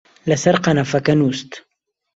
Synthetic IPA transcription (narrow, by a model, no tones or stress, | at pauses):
lasaɾqɑnafakanust̪